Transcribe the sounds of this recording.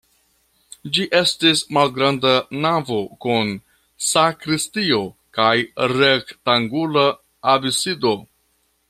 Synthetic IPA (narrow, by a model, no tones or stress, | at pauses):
d͡ʒiʔe̞stismalɡɾandanavo̞kun | sakɾistio̞kajɾektaŋɡulaː | bisido̞